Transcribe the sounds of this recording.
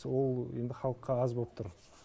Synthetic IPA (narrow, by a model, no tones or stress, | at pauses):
wo̞lˠe̞nd̪ɪχɑlˠəqːɑɑzbop̚t̪ʰʊɾ